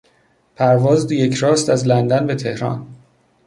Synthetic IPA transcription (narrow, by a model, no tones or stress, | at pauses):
pʰæɾvɒːzd̪jecʰɾɒːst̪æzlænd̪ænbet̪ʰe̞hɾɒ̰ːn